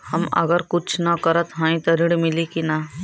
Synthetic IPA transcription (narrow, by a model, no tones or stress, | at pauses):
həmə̰ɡəɾkʊt͡ʃʰnɐkəɾət̪ɦãːĩt̪ɔɾɪɽmɪlikina